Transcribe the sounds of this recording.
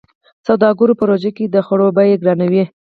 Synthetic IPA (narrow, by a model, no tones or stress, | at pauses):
sawd̪ɑɡʊɾopəɾoʒaked̪əxaɽobajeɡɾɑnawi